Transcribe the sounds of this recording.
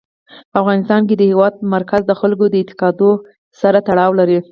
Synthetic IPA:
pəafɣɑnɪst̪ɑnk̬ed̪əhewɑd̪̚maɾkazd̪əxalɡod̪əɪt̪ɪ̥qɑd̪o | saɾat̪aɽɑwlaɾi

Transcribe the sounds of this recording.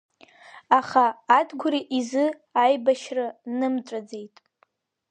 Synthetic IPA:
aχaːdʰɡʷʊɾiʔizɨ | ajbaʃranɨmt͡ʃʷʼad͡ze̞jtʼ

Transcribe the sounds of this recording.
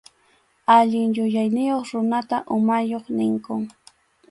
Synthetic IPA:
aʎɪŋjʊjajnɪjoχɾʊnat̪aʔʊmajoχnɪŋkʊŋ

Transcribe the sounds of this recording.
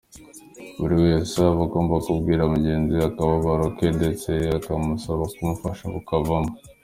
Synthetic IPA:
βuɾiweːsaβaɡo̞ːmbakubɡiːɾamuɟe̞ːnziakawoβaɾokedet͡se̞akamusoβakumufaʃaβukavamo

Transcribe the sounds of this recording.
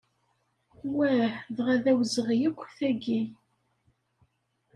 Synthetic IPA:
wæħðʁæðæwzəʁjəkʷːθæɡi

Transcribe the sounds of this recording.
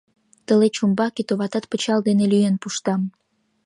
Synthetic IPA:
t̪əlet͡ɕumbɑkit̪oβɑt̪ɑt̪̚pət͡ɕɑld̪enelyjenpuʃt̪ɑm

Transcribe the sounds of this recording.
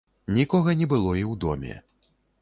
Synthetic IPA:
nʲikɔɣɐnʲɛbɨlˠɔiwd̪ɔ̰mʲɛ̰

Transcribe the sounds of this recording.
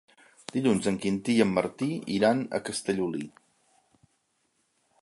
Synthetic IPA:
d̪̥iʎunzəŋkint̪iəmːəɾt̪iḭɾanə̰kəst̪əʎuli

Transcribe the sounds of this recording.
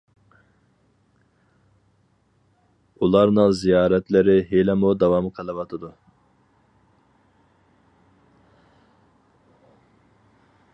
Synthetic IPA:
ulˠɑɾnɨŋzijɑːɾɛt̪lɪɾɪɦelɛmud̪ɑvɑmqʰɑlˠɨvɑt̪ʰɨd̪u

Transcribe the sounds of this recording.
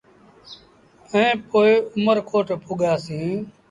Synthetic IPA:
əẽːpoːeːʊməɾkʰoːʈpʰʊɠaːsĩː

